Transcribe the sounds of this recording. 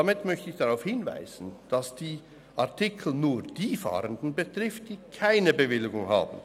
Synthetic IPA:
amɪtmœçtəɪçd̥aʁaʊfhɪnva̰ɪz̥n̩d̥asd̥iː | ʔaɐtʰɪkʰl̩nuːd̥iːfa̰ːʁəndn̩bətʁ̥ɪft̚d̥iːkʰaɪnəbəvɪlɪɡʊŋha̰ːbn̩

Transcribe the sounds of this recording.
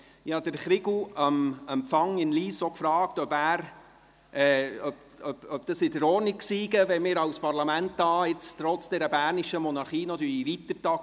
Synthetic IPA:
jɑd̥̪əɾχɾɪɡuəməmfɑŋɪnliːsokfɾɑːk̚tœbæːɾ | ʔɛːœp | œbœb̚d̥ɑsɪdəɾɔːrnikksiːɡəʋɛmɪːɾɑwspɑɾlɑmæntːɑːɪt͡stɾɔt͡sd̥ɛɾəbæːɾniʃəmɔnɑɾχiːnɑt̪yːɾiʋitəɾtɑk

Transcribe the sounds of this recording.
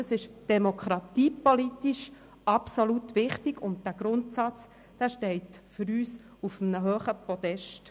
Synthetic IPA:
əsɪʃd̥ɛmokʰɾɑt̪iːpolitiʃ | ɑpsolutʋɪχtɪɡʊnt̚d̥æɡ̥ɾʊntsɑt͡s | d̥æːʃtɛɪtfʏɾyːs | ufəmnəɦøːχəpɔd̪ɛʃt

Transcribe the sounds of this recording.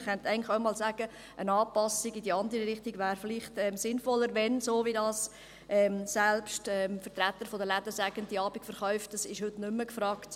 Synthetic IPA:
χɛntæɪən̩lɪχœʊmɑːlsæɡ̥ə | ʔənɑːpɑsɪɡidiɑnd̪əɾiɾɪχtiɡvæːɾfɪliχtɛːmsɪnfɔlːəɾʋɛnsoːʋidɑːs | ʔɛmsɛlpʃtɛmfəɾtɾæt̪ːəɾfodəlæd̪əsæɡəntdiɑːbikfəɾχœʏftːɑsɪʃhʉtnʉmːəkfɾɑːkt

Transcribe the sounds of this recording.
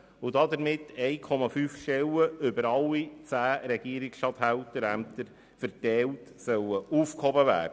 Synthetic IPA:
ʊdɑd̪əɾmɪtɛjkʰɔmɑfyːfʃɛləʏbəɾɑlːit͡sæːɾɛɡiəɾiksʃtɑt̪hæwtəɾæmt̪əɾ | fəɾtɛltsœwəuːfkhɔbəvæ̰ːdə

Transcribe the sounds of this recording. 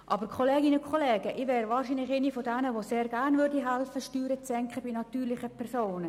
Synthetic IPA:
ʔɑbəɾkʰχɔleːɡɪnəkʰχɔlɛːɡ̥əʔɪʋɛːɾʋɑːrʃinlɪχenifɔdɛnəʋoseːɾɡærnvøɾdiɦɛlfəʃtyːɾət͡sːɛŋkχəbinɑt̪yːɾlɪχəpʰɛɾsoːnə

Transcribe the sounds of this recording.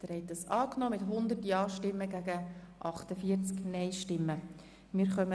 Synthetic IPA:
d̪̥əɾhɛɪt̚dɑsɑːknoːmɪtɦʊnd̪ətjɑːʃtɪmːəɡæɡəʔɑχtəfiəɾt͡sknɛɪʃtɪmːə | mɪːɾχœmə

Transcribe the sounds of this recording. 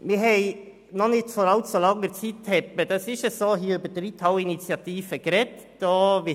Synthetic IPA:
miːɦɛɪ | nɔnɪt̪foːɾɑlt̪soːlɑŋːəɾt͡siːt̚t̪ʰɛpəd̪ɛsɪçəsoːɦiːybəd̪ɾiːt̪ʰhɑʊɪnit͡sjɑt̪ʰiːfəɡ̥əɾɛt̪d̪̥ɑːʋɪ

